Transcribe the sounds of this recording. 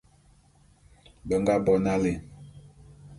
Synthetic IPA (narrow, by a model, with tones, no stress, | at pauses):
bə˨ŋɡa˦bɔ˦na˦le˨